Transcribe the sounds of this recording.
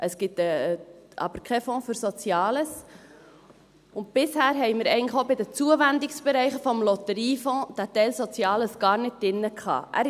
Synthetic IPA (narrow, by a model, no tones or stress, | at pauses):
ʔəsɡ̥ɪtə | ɑ̰b̥əɾkʰɛfɔ̃ːfyɾsɔt͡sjɑːləs | ʊnt̚b̥ɪshæːɾɦɛɪmɪɾɛ̰ɪɡəntləχobɪdət͡suəʋændɪksb̥ɛɾɛɪχəfɔmlɔt̪əɾiːfɔ̃d̥ætɛɪlsɔt͡sjɑːləsɡ̥ɑːɾnɪt̚dɪnːəkχɑ̰ːʔæ̰